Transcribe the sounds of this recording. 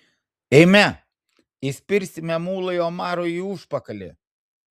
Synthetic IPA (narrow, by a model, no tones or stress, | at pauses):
ɛɪmʲɛ | isʲpʲɪɾʲsʲɪmʲɛmuːlˠɐjoːmɑːɾoːiːuʃpɐkɐlʲḛ